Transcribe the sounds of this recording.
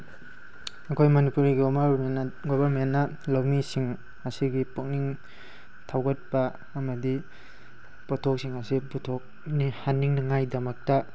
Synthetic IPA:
ɐkʰojmɐnipuɾiɡnɡobʱɐɾmenːɐ | lawmisiŋ | ɐsiɡipuk̚niŋ | tʰawɡɐt̚pɐ | ɐmɐdi | pɔtʰok̚siŋɐsiputʰok̚ | nihanːiŋnɐŋajdɐmɐk̚tɐ

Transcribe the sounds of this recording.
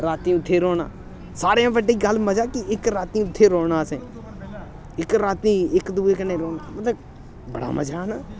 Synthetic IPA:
ɾaːt̪ĩːʊt̪ʰːeːɾoːna̰ː | saːɾejãːbəɖiːɡəlməd͡ʒaːkɪɪkɾaːt̪iːʊt̪ʰːeːɾoːnaːsẽː | ɪkɾaːt̪ĩːɪkd̪uːeːkneːɾoːmət̪ləb | bə̰ɽa̰ːmə̰d͡ʒʱaːnaː

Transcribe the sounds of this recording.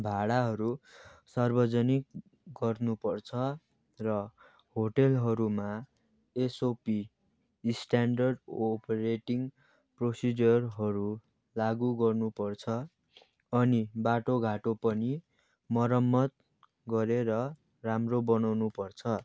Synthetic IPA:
bʱaɽaɦʌɾusarbʌd͡zʌnik | ɡʌrnupʌrt͡sʰʌ | rʌ | hoʈelɦʌɾuma | esopi | sʈaɳɖʌrɖopeɾeʈiŋ | prosid͡zʌrɦʌɾu | laɡuɡʌrnupʌrt͡sʰʌ | ʌnibaʈoɡʱaʈopʌni | mʌɾʌmːʌt̪̚ | ɡʌɾeɾʌ | ramrobʌnawnupʌrt͡sʰʌ

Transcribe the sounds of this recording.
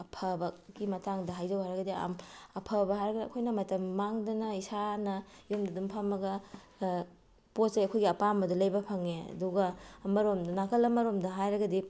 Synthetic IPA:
ɐpʰɐbɐkɡimɐtaŋdɐɦajzɐwɦajɾɐɡɐdia̰mɐpʰɐbɐɦajɾɐɡɐdiɐ̰kʰojnɐmɐtɐmːaŋdɐnɐisanɐjomdɐdumpʰɐmːɐɡɐ | poseɐkʰojɡiɐpamɐdulɐjbɐpʰɐŋeɐ̰duɡɐmɐɾomdɐnakʰɐlɐmɐɾomdɐɦajɾɐɡɐdi

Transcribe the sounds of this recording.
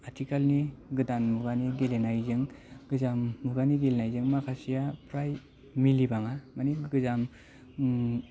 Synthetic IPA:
atʰikalniɡɯdanmuɡaniɡelenajzɯŋɡɯzamːuɡaniɡelenajzɯŋmakʰasijapʰɾaj | milibaŋamaniɡɯzam

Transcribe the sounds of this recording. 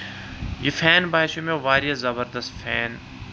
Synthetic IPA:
jifɛːnbaːɪʃomẽʋaːɾijazɐbəɾd̪əst̪fʰɛːn

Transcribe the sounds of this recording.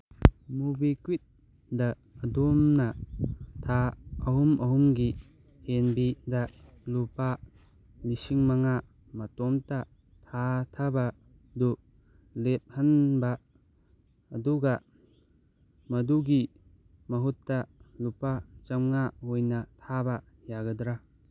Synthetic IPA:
mubikuit̪̚ | daː | dɔmnatʰaɐɦumɐɦumɡi | henbida | lupa | lisiŋmaŋa | mɐtɔmta | tʰatʰabɐ | du | lep̚hanba | duɡɐ | mɐduɡi | mɐɦutːalupat͡ʃɐmŋahojnɐtʰabɐ | jaɡɐdɾa

